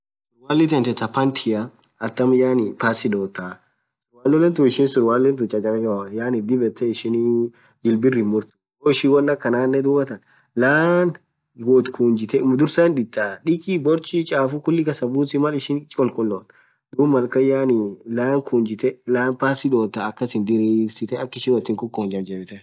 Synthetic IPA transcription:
waːlːɪt̪̬ɛnt̪ɛt̪ɐpɐnt̪ʰɪjɐ | ɐt̪ːɐmjaːnɪpaːsːɪdoːt̪ːa | swaːlːɔlɛnt̪ʊɪʃɪnsʊɾwaːlːent̪ʊt͡ʃʼɐd͡ʒɐnɐd͡ʒɐajaːnɪd̪ɪbɛt̪ːɛɪʃɪni | d͡ʒɪlbɪrɪmʊɾt̪ʊ̥ | oːɪʃɪwɐnːɐkːɐnaːnːɛd̪uːbɐt̪ɐn | laːn | wɔt̪kʰuːnd͡ʒɪt̪ɛmd̪ʊɾsaɪndɪt̪ːaːᶑɪkibɔɾt͡ʃʼit͡ʃʼaːfʊkʊlːɪkɐsɐbuːsɪmɐlɪʃɪnt͡ʃʼɔlkʼʊlːoːn | d̪̥uːbmɐlkɐjaːnilaːŋkʰuːnd͡ʒɪt̪ɛlaːnpaːsɪd̪oːt̪ːaɐkːɐsɪnd̪ɪɾiːɾsɪt̪ɛɐkːɪʃɪnwɔt̪ːɪŋkʼʊkːoːnd͡ʒɐmd͡ʒɛbɪt̪ɛ

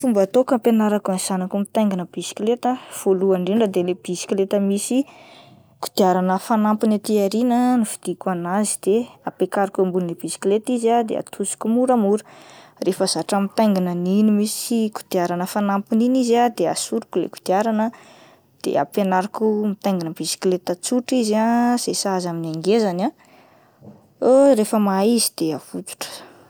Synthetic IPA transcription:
fumbat̪okampenaɾakanz̥anakumit̪ajŋɡinəb̥isi̥klet̪əv̥oluaɳɖ͡ʐinɖ͡ʐad̪eleb̥isi̥kilet̪əmisi | ku̥d̪̥iaɾanəfanampinat̪iaɾinənufi̥d̪̥ikuanazid̪̥eapekaɾikumbulneb̥isi̥kilet̪izad̪ḛa̰t̪ʰusi̥kumuɾəmuɾə̥refaz̥aʈ͡ʂamit̪ajŋɡinəninimisiiku̥d̪̥iaɾanəfanampininizad̪ea̰suɾukulḛku̥d̪̥iaɾanə | d̪̥ḛa̰panaɾakumit̪ajŋɡinəb̥isi̥klet̪at͡suʈ͡ʂizasesazaminaŋɡezana | oɾefəmaizid̪̥eav̥ut̪u̥ʈ͡ʂə̥

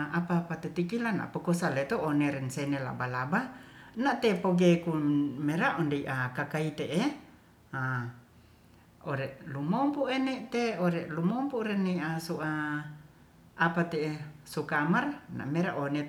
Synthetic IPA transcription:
apapat̪et̪ikilana̰ʔpokosalet̪ooneɾɛnsenela̰balabanaʔt̪epoɡekumeɾaʔɔndeiʔakakait̪eʔe | a | oɾeʔlumompuʔeneʔt̪eoɾeʔlumompuʔɾɛniʔasuʔa | apat̪esukamarna̰ʔmeɾaʔone

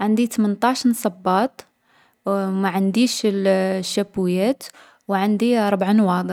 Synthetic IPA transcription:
ʕənd̪it̪mənt̪ˤɑʃnsˤɑbːɑt̪ˤ | maʕənd̪iʃlʃːæbujæt̪ | wʕand̪iɑɾˤbʕanwɑɡ

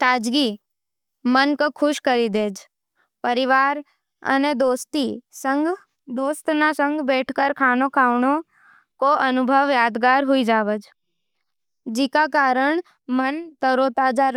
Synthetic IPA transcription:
t̪aːd͡ʒɡi | mənkokʰʊʃkəɾid̪eːd͡ʒ | pəɾɪʋaːɾ | ə̰ned̪oːst̪isəŋɡ | d̪oːst̪nasə̃ŋɡbɛːʈʰkəɾkʰaːnokʰaːʋɳo | koʔɐnʊbʱəʋjaːd̪ɡaːɾɦʊid͡ʒaːʋəd͡ʒ | d͡ʒikakaːɾəɳ̃ | mənt̪əɾot̪ad͡ʒaɾ

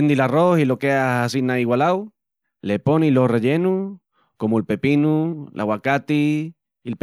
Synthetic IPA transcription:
nd̪ilarosilokeaasinaiɣwalaw | leponilorejenu | komoelpepinulʔa̰wakat̪iː | lp

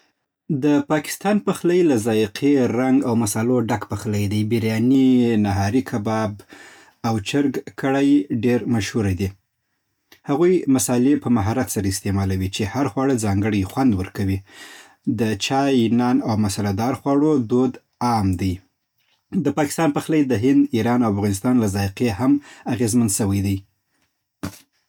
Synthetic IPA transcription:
d̪əpɑkɪ̥st̪ɑnpəxlajlazɑjqʰeɾaŋɡawmasɑloɖakpəxlajd̪ajbiɾjɑninaɦɑɾikʰabɑb | awt͡ʃaɾɡkəɽajɖeɾmaʃhuɾajd̪i | haɣujmasɑlepəmaɦɑɾat̪saɾaɪst̪emɑlawit͡ʃehaɾxwɑɽəd͡zɑŋɡəɽəjxwand̪wəɾkawi | d̪ət͡ʃɑjnɑnawmasalad̪ɑɾxwɑɽod̪od̪ | ɑmd̪aj | d̪əpɑkɪ̥st̪ɑnpəxlajd̪əɦɪnd̪iɾɑnawafɣɑnɪst̪ɑnlazɑjqehamaɣezmanʃəwajd̪aj

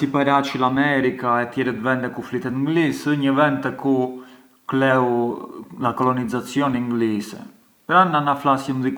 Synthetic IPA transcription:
sipaɾat͡ʃilamɛɾikaɛt̪jɛɾɛt̪vɛnd̪ɛkuflit̪ɛt̪ŋɡlisəɲəvɛnd̪t̪ɛku | klɛwlakɔlɔnizat͡sjɔniŋɡlisɛ̰ | pɾananaflasjəmzik

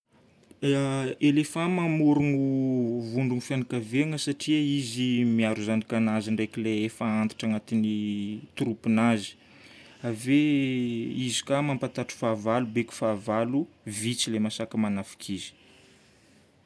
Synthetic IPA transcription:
elefamamuɾuŋuvuɳɖ͡ʐuŋifjanikaveŋəsaʈ͡ʂiəizimiaɾuzanikanaziɳɖ͡ʐajkileefaant̪i̥ʈ͡ʂaŋat̪init̪uɾupinazi̥ | ave | izi̥kamampant̪aʈ͡ʂi̥favalubeku̥favalu | vit͡silemasakəmanafi̥kʰizi̥

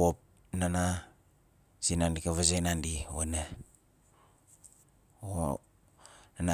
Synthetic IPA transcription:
op̚ | nana | sinandikaβas̬ajnandiwene | o | nana

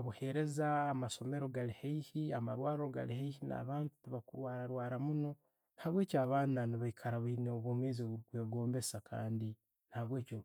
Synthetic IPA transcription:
βuhe̞ɾe̞zaːmaso̞me̞ɾo̞ɡalihaihiamaɾwaːɾoɡa̰lihaihina̰ːβaːntu̥tuβakuɾwaːɾaɾwaːɾamuno̞ | nhaβwe̞ːcaːβaːnaniβaikʰaɾaβneoβomweːziweːɡo̞ːmbe̞sakʰa̰ːndi | nhaβwe̞ːco

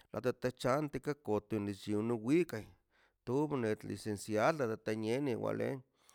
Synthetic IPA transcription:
lʔa̰t̪at̪at͡ʃant̪ikakot̪onit͡ʃinuwikaj | t̪uβnet̪lḭsensjalːat̪at̪aneniwa̰lḛŋ

